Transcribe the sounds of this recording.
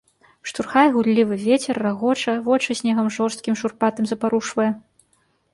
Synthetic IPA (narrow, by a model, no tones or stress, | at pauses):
ʂt̪urxajɣulʲːivɨvʲet͡sʲɛrːaɣɔt͡ʂɐvɔt͡ʂɨsʲnʲɛɣɐmʐɔrst̪̚kʲimʂurpat̪ɐmzɐpaɾuʂvɐjɛ